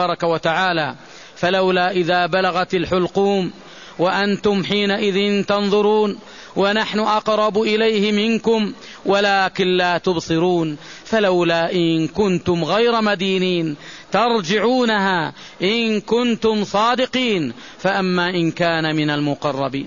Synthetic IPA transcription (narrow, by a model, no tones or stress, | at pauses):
ɑːɾˤɑkawat̪aʕaːlaː | falawlaːʔɪðaːbalaɣat̪alħʊlquːm | waʔant̪ʊmħiːnaʔɪðɪnt̪ɑnðˤʊɾuːn | wanaħnʊʔɑqɾˤɑbʔɪlajhɪmɪnkʊm | walaːkɪnlaːt̪ʊbsˤɨɾuːnfalawlaːʔɪnkʊnt̪ʊmɣajɾamad̪iːniːnt̪ɑɾˤd͡ʒɪʕuːnaɦaː | ʔɪnkʊnt̪ʊmsˤɑːd̪ɪqiːn | faʔamːaːʔɪnkaːnamɪnalmʊqɑrˤːɑbḭːn